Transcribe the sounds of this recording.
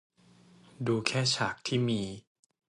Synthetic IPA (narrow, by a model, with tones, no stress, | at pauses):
duː˧kʰɛː˥˩t͡ɕʰaː˨˩˦k̚t̪ʰiː˥˩miː˧